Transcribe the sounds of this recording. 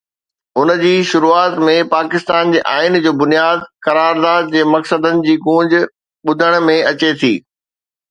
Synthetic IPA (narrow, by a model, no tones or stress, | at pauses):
ʊnd͡ʑiːʃʊɾuːaːt̪mẽpaːkɪst̪aːnd͡ʑeːʔaːɪnd͡ʑoːbʊnijaːd̪kɐɾaːɾd̪aːd̪̚d͡ʑeːmɐksəd̪ənɪ̆d͡ʑiːɡũːɲd͡ʑ̆ | ɓʊd̪ʱəɽ̃̆mẽɐt͡ɕet̪ʰḭː